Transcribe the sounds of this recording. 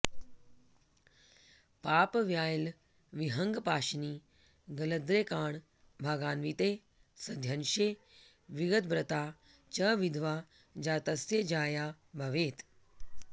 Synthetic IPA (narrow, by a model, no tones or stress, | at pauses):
paːpʋjaːjl | ʋiɦɐŋɡpaːʃniː | ɡɐləd̪ɾeːkaːɳ | bʱaːɡaːnʋit̪eː | sɐd̪ʱjɐnʃeː | ʋiɡət̪̚bɾɐt̪aː | t͡ʃɐʋid̪ʱʋaː | d͡ʒaːt̪ɐsed͡ʒaːjaː | bʱɐʋeːt̪